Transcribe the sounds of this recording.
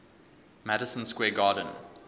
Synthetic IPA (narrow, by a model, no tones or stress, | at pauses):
mɛɾəsə̃nskwɛːɡɑːdə̃n̩